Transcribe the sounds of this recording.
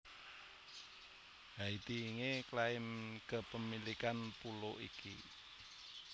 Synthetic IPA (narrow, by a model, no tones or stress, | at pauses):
ɡait̪iːŋeklaɪmkəpəmilikanpuloʔḭkʰḭ